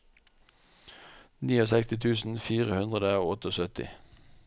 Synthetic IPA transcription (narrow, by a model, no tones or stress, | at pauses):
niːoːsɛkst̪ɪt̪ʰʉːsn̩fiːʁəhʉnd̪ʁəd̪əoːɔt̪əoːsœt̪ɪ̰